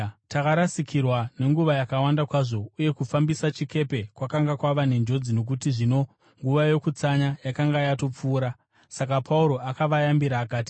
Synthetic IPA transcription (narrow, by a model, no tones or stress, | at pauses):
takaɾasikʰirwane̞ŋɡuʋajakawandakwaʐo̞uje̞kufambisat͡ʃike̞pe̞kwakaŋɡakwaʋane̞nd͡ʒo̞d͡zino̞k̬utiʐino̞ | ŋɡuʋajo̞kut͡saɲajakaŋɡajato̞p͡fuːɾa | sakapʰauɾo̞akaʋajambiɾaːkaːti̥